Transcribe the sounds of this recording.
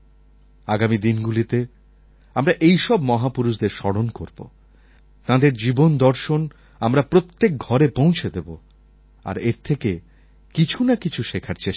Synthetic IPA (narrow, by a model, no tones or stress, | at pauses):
aɡamid̪inɡulit̪e | amɾaʔejʃɔbmɔɦapuɾuʃd̪eɾʃɔɽonkoɾbo̰ | t̪ãd̪eɾd͡ʑibond̪ɔɾʃon | amɾapɾot̪ːek̚ɡʱɔɾepõw̃t͡ɕʰed̪ebo | a̰ɾeɾt̪ʰeke | kit͡ɕʰunakit͡ɕʰuʃekʰaɾt͡ɕeʃ